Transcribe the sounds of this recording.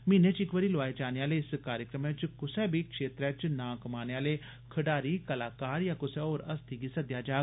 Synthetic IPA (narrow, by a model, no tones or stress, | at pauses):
miːneːt͡ʃɪkʋəɾiːloaːed͡ʒaːneaːleːɪskaːɾjəkɾəmɛ̃t͡ʃkʊsɛːbʱikʰʃeːt̪ɾɛːt͡ʃnãːkəmaːneaːleː | kʰəɖaːɾiːkɐlaːkaːɾjaːkʊsɛɔːɾɐst̪ʰiɡiːsəd̪jaːd͡ʒaː